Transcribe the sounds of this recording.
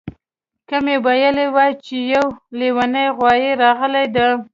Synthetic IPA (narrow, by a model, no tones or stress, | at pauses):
kəmebajalewat͡ʃejawlewanəjɣwɑjeɾɑɣəlajd̪a